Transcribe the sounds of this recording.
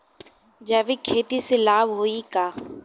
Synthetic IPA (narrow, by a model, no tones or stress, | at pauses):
d͡ʒəʋikʰːeːt̪iselaːbɦoikaː